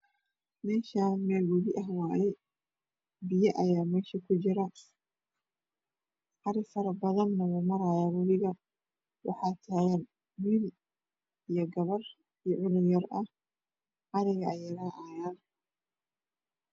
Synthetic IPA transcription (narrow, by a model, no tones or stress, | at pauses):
mɛːʃaːmɛːlwʊβɪʔɐɦwaːjɛ | bɪjɐʔɐjaːmɛːʃikʰʊt͡ʃɪɾɐ | ʔɑɾɪfɐɾɐbɐðɐnːɐwʊmɐɾajaːwʊlɪɣɐ | wʔɑ̰ħɑːt̪ʰaːɣɐn | miːl | ijɞɡɐβɐr | ijɔʕʊlɪjɐrɐh | ʔɐɾɪɣɐɐjɐɾaːʔajaːn